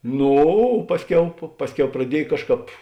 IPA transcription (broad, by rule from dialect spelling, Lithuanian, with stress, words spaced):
ˈnuː oː ˈpɑːsʲˌkʲɛʊ pɐ ˈpɑːsʲˌkʲɛʊ prɐˈdʲiɛj ˈkɑːʃˌkɑːp